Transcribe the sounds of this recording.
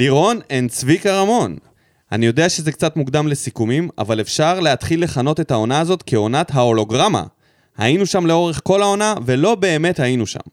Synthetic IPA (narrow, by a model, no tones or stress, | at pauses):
diʁo̞nent͡svikaʁamo̞n | a̰nijo̞de̞aʃe̞zekt͡sat̪muɡd̪amle̞sikumima̰valefʃaʁleɦat̪χilːe̞χano̞te̞tao̞naːzo̞t̪keo̞natɦao̞lo̞ɡʁama̰ | ha̰inuʃamle̞o̞ʁeχko̞laonave̞lo̞be̞ːme̞thainuʃa̰m